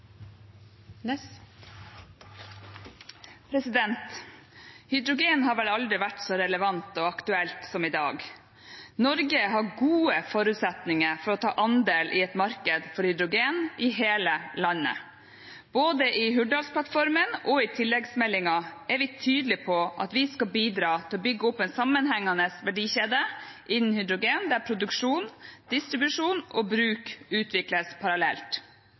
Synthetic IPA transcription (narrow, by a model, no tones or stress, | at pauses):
pʰɾɛsɪd̪ɛnt̪ | hʏd̪ɾʊɡeːnhɑːɾʋɛlɑld̪ɾɪʋæʈsɔɾɛləʋɑnt̪ɔɑkt̪ʉɛlt̪sɔmɪd̪ɑːɡ | nɔɾɡəɦɑɡuːəfɔɾʉt̪sɛt̪nɪŋəɾfɔɾɔt̪ʰɑ̰ːʔɑnd̪eːlʔɪɛt̪mɑɾkəd̪fɔɾhʏd̪ɾʊɡeːnɪɦeːləlɑnːə̰ | b̥oːd̪əʔɪɦʉɖɑlspʰlɑt̪fɔɾmənɔɪt̪ʰɪlːɛɡsmɛlːɪŋɑæɾʋɪt̪ʰyːd̪l̩ɪpʰɔʔɑ̰t̪ʋɪskɑlbiːd̪ɾɑːt̪ʰɪlɔbʏɡːəɔpːɛnsɑmːənhɛŋːɑnəsʋæɖiːçeːd̪əʔɪnːn̩hʏd̪ɾʊɡeːnd̪æɾpʰɾʊd̪ʉkʂuːnd̪̥ɪst̪ɾɪbʉʂuːnɔbɾʉːkʉːt̪ʰʋɪkləspʰɑɾɑlɛ̰lt̪